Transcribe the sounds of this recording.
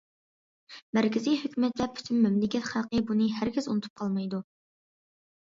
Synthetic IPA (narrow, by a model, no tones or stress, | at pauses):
mæɾkʲɪzijhøkʲymɛt̪lɛpʰy̥t̪ʰymːymlɪkʲɛt̪χælˠqəbunɨɦæɾɡʲɪzunɨt̪ʰu̥p̚qʰɑlˠmɑjd̪u